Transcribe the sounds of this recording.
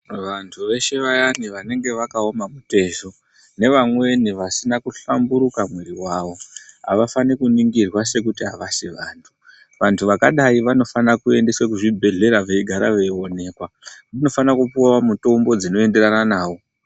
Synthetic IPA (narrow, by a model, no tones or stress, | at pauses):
ʋantʰuʋe̞ʃe̞ʋajaniʋane̞ŋɡe̞ʋakao̞mamute̞ʒo̞ | ne̞ʋamwe̞niʋasinakuɬambuɾukamweɾiwaːʋo̞ɦa̰ʋafanikuniŋɡirwase̞k̬utiɦaʋaʃeʋaːntʰu̥ | ʋantʰuʋakaɗaiʋano̞fanakue̞nde̞swekuʐibʱe̞ɮe̞ɾaʋeiɡʱaɾaʋeio̞ne̞ːkwa | ʋano̞fanakupuawamuto̞mbo̞d͡zino̞e̞nde̞ɾananaːwo̞